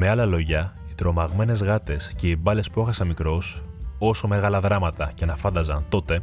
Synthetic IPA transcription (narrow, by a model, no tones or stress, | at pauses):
me̞ɐlɐlo̞ʝɐ | it̪ɾo̞mɐɣme̞ne̞zɣɐt̪e̞sce̞ibɐle̞spue̞xɐsɐnmikɾo̞so̞so̞me̞ɣɐlɐðɾɐmɐt̪ɐcenɐfɐnd̪ɐzɐnt̪o̞t̪e̞